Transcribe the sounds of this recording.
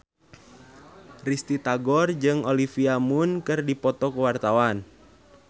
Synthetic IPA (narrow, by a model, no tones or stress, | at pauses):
rist̪it̪aɡɔrd͡ʒɨŋɔlifiamunkɨrdipɔt̪ɔkuwart̪awan